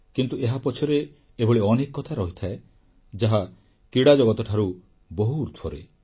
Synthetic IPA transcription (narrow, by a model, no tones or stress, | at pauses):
kint̪ueɦapɔt͡ʃʰɔɾeː | bɔɭeɔnekɔːɔt̪ʰaɾɔɦit̪ʰae | d͡ʒaɦa | kiɽad͡ʒɔɡɔt̪ɔʈʰaɾu | bɔɦuːɾt̪ʰɔɾḛ